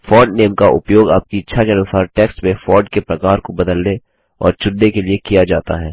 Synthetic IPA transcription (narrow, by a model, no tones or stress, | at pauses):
fɔːɾɖneːmkaʔʊ̰pjoːɡaːp̚kiɪtːʃʰakeɐnʊsaːɾʈɛːksʈmẽfɔːɾɖkepɾɐkaːɾkobɐd̪əlne | ɔ̰ːɾt͡ʃʊɖːekeliekijad͡ʒaːt̪a̰ɦɛː